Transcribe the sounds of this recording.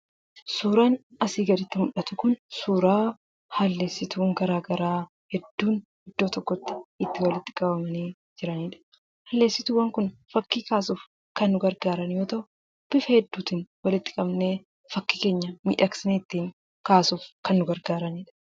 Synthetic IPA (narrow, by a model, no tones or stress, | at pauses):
suːɾaːn | ɐsiːɡɐɾɪt̪ːɪmʊᶑɐt̪ʊkʊnsuːɾaː | hɐlːe̞ːsːɪt̪uːŋɡɐɾaːɡɐɾaː | hɛd̪ːuːnhɪd̪ːo̞ːt̪ɔkːɔt̪ːɪ̥ɪt̪ːɪwɐlɪt̪ːɪ̥kʼɐbɐmɐniː | d͡ʒɪɾɐniːᶑɐ̥ | hɐlːeːsɪt̪uwɐŋkʊnfɐkːiːkaːsuːf | kɐnːʊɡɐɾɡaːɾɐnjoːt̪ɐʊ | b̥ɪfɐhɛd̪ːuːt̪ɪnwɐlɪt̪ːɪ̥kʼɐbneː | fɐkːiːke̞ːɲːɐmḭːᶑɐksɪneɪt̪ːiːŋ | kaːsuːfkɐnːʊɡɐɾɡaːɾɐniːᶑɐ̥